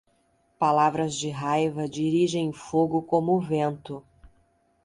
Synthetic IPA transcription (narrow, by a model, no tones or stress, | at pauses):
palavɾɐzd͡ʒɪɦajvɐd͡ʒiɾiʒẽj̃foɡʊkõmʊvẽnt̪ʊ